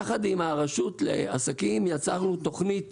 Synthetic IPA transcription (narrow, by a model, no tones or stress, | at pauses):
χad̪imaʁaʃut̪lḛa̰sakimjat͡saʁnut̪o̞χnit